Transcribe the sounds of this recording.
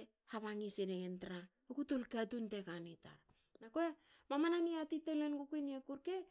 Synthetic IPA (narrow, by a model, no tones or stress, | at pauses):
haβaŋiseneŋentɾa | ukutulkatuntekaneta̰ɾ | nakoe | mamananiatitelenɡukueniekuɾke